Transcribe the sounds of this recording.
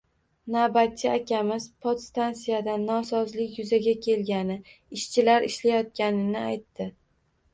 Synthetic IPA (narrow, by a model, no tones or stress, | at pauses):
nabat̪̚ʰʲːɪakʲʰamɪzpʰot̪st̪ansijad̪anːɒsɒzlɪkʲjʊzaɡʲakʲʰe̞lɡʲanɪ | ɪʃt͡ʃʰɪlaɾɪʃlajɒt̪̚kʲanɪnɪajt̪ːɪ